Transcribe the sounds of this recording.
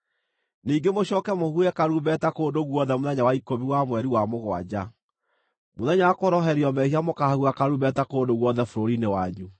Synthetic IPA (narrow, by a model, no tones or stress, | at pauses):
niːɡemoɕɔːkɛmohuɛkaɾuβɛtakoːndoɣwɔðɛmoðɛɲawaikoβiwamwɛɾiwamoɣwa̰d͡ʑa | moðɛɲaakoɾɔɦɛɾiɔmɛhiamokahahuakaɾuβɛtakoːndoɣwɔðɛfoɾoɾinewaɲu